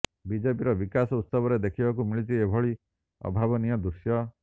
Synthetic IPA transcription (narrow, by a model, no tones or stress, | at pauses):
bid͡ʒepiɾɔbikasɔut̪sɔbɔɾed̪ekʰibakumiɭit͡ʃiebʱɔɭi | ɔ̰bʱabɔnijɔd̪uɾsjɔ